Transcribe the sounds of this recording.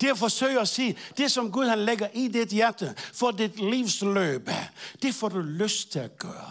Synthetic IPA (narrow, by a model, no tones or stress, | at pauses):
d̥e̝æfɒsø̰ɪɒsḭːd̥e̝sɒ̽mɡuð̞ˠhænleɡɐʔided̥jæɐd̥əfɒdid̥liʊslø̰ːb̥d̥e̝fɒ̰d̥uløst͡sʰe̝læɡ̥œːɐ